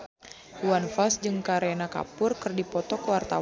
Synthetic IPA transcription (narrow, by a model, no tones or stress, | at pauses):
uanfasd͡ʒɨŋkaɾɛnaka̰pʊrkɨrdipɔt̪ɔkwart̪aw